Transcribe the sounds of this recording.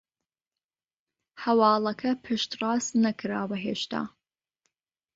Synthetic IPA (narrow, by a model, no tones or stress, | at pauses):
hɐwɑːlˠɐkʰɐpʰɨʃt̪rɑːsnɐkʰɨɾaːwɐɦeːʃt̪a̰ː